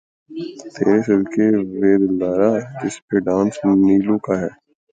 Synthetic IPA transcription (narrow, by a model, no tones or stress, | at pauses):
t̪eːɾesɪlkeʋeːd̪ɪlːaːɾad͡ʒɪspeɖãːnsniːlõkaɦɛː